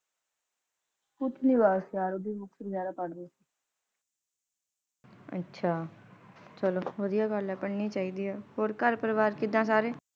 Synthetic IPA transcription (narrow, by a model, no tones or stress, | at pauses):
kʊt̪niːʋaːsjaːɾoːd̪iːbʊksɾzjaːd̪aːpəɽd̪eːsiː | ə̰tːʃʰaː | t͡ʃəloːʋəd̪ɪjaːɡəlɛːpəɽniːt͡ʃaːiːd̪iːɛːɦoːɾkəɾpəɾəʋaːɾkɪd̪ːãːs̬aːɾeː